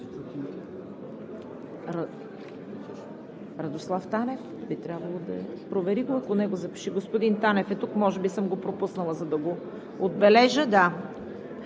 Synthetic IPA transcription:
ɾ | ɾɐd̪oslˠaft̪anɛf | bit̪ɾʲabvɐlˠod̪ɐ̰pɾovɛɾiɡoɐkonɛɡozɐpi̥ʃiɡospod̪int̪anɛfɛt̪ukmɔʒɛbisɤmɡopɾopusnəlˠəzɐd̪ɐɡo | od̪̚bɛlɛʒəd̪a

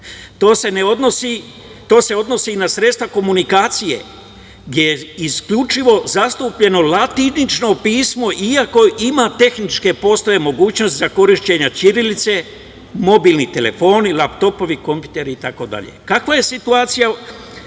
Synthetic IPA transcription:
t̪o̞ːse̞neo̞d̪nosi | t̪o̞ːse̞o̞d̪no̞sinasɾe̞t̪st̪ʋako̞munikaːt̪sije̞̰ | ɡd̪ʲjʲe̞jeiskʎut͡ʃiʋo̞zast̪upʎe̞no̞lat̪init͡ʃno̞piːsmo̞ʔiako̞ʔimat̪e̞xnit͡ʃke̞po̞st̪aʋe̞mo̞ɡuːt͡ɕnost̪ʲzako̞ɾiʃt͡ɕe̞ɲat͡ʃiɾilit̪se̞ | mo̞biːlnit̪e̞le̞̰fo̞ːnilapt̪o̞po̞ʋiko̞mpjut̪e̞ɾiit̪ako̞d̪a̰ʎḛkakʋaje̞sit̪uaːt̪sija

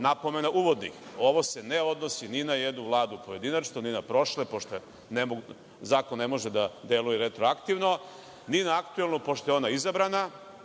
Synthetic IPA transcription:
napo̞me̞naʔuʋo̞d̪nḭxo̞ʋoseneo̞d̪no̞sininajed̪nuʋlˠaːd̪upoje̞d̪inat͡ʃnoninapɾo̞ʃlepo̞ʃt̪o | nemo | zaːkonːemo̞ʒed̪ad̪e̞lujeɾet̪ɾoakt̪iʋno̞ | ninaakt̪ue̞lˠnopoʃt̪ojeo̞naizabɾana

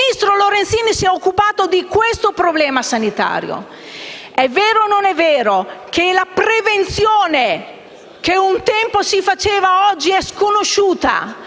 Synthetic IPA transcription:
ist̪ɾoloɾent̪siːnisiɛokːupaːt̪od̪ikwest̪opɾoblɛːmasanit̪a̰ːɾj̰o̰ | ɛvːeːɾononɛvːeːɾokelapɾevent̪sjoːne | k̟eunt̪ɛmposifat͡ʃeːvaɔd͡ʒːiɛskonoʃuːt̪a̰

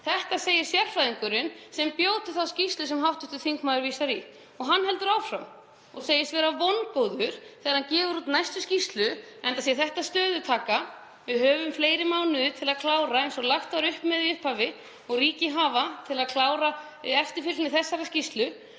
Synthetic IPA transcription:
θɛht̪aseːjɪɾ̥sjɛr̥fɾajðiŋkʏɾɪnsɛmpjoːwt̪ʏθawscist̪lʏs̬ɛmɦawht̪ʏht̪ʏθiŋkmaːðɾviːsaɾi | ɔɣɦanːɦɛlt̪ʏɾawfɾam | ɔɣseːjɪst̪vɛːɾavɔnkoːwðʏɾ̥θɛːɣaɾhancɛːvʏɾut̪najst̪ʏscist̪lʏɛnt̪asiaθɛht̪ast̪œːðʏt̪ʰaːka | vɪðhœːvʏmfleːjɾɪmaːwnʏðʏt̪ʰɪlaðkʰlaːwɾaejnsɔlaxt̪vaɾʏhpmɛðiʏhphavɪ | ɔɣriːcɪɦaːvat̪ʰɪlaðkʰlaːwɾa | ɛft̪ɪ̥fɪlnɪθɛsːaɾascist̪lʏ

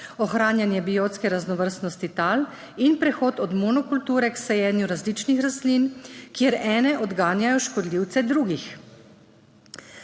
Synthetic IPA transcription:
ɔxɾaːnjanjɛbijoːt̪skɛɾaznɔʋəɾst̪nɔst̪it̪aːl | inpɾɛxoːt̪ɔd̪mɔnɔkult̪uːɾɛksɛjɛːnjuɾazliːt͡ʃnixɾast̪linkjeɾɛːnɛʔɔd̪ɡaːnjajɔʃkɔd̪liwt̪sɛd̪ɾuːɡix

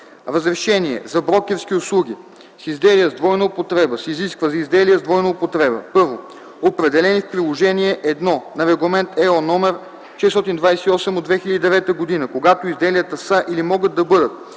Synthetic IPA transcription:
ɾəzɾɛʃɛniɛ̰zɐbɾɔkʲɛɾsk̟iʊslˠuɡ̟ʲi | sizd̪ɛlijəzd̪vɔjnɐopot̪ɾɛbəsiziskvəzɐizd̪ɛlijɛzd̪vɔjnəopot̪ɾɛbə̰pɤɾvo | opɾɛd̪ɛlɛnifpɾilˠoʒɛniɛʔɛd̪nɔnɐɾɛɡlˠɐmɛnt̪ɛonɔmɛɾ | ʃɛst̪ɔt̪ind̪vajsɛiɔsɛmod̪vɛxilʲəd̪id̪ɛvɛt̪əɡod̪inəkoɡat̪oizd̪ɛlijət̪əsəʔilimɔɡət̪̚ːɐbɤd̪ət̪̚

